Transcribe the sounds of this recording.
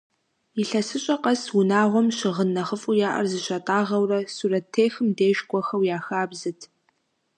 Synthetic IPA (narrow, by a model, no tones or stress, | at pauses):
jiɬɐsɨɕʼɐqɐswʊnaːʁʷɔmɕɪʁənːɐχəfʼujaːʔɐ̰rzɨɕɐtʼaːʁɐwrɐsuɾɐtʰːeːxɨmdeːʃkʷʼɔxɐwjaːxaːbzɨtʰ